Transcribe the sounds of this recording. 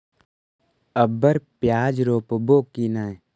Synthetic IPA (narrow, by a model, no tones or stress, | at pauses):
əbəɾpjaːd͡ʒɾoːpboːkːinaj